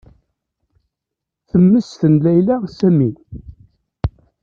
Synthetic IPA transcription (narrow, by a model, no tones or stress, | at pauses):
θəmːəsθənlæjlæsæmin